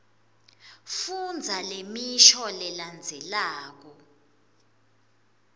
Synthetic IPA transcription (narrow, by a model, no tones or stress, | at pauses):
fund͡zʱalemiʃɔlɛland͡zʱɛlaːk̬ɔ